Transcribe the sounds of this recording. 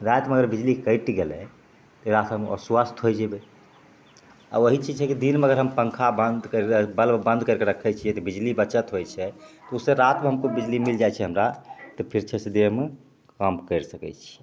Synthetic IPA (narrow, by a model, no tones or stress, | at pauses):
ɾat̪meəɡəɾbid͡ʒlikəjʈɡelɛ | t̪ɔɾat̪əmɔ̰swast̪ɦojd͡ʒɛbe | a̰boɦit͡ʃid͡ʒt͡ʃʰɛkid̪inmeəɡəɾɦəmpəŋkʰabənd̪kəɾbəlbə̃nd̪ʱkəɾkeɾəkʰːɛt͡ʃʰiɛt̪ɔbid͡ʒlibətːʃət̪ɦojt͡ʃʰɛt̪ɔusːeɾat̪mẽɦəmkobid͡ʒlimild͡ʒat͡ʃʰɛɦəmɾat̪ɔpʰiɾt͡ʃʰɛsəd̪ieme | kəmkəɾsəkɛ̰t͡ʃʰi̥